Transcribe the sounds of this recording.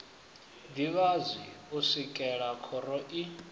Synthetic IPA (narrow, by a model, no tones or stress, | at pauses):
d̪iβazwiusikʼɛɺakʰɔɾɔʔi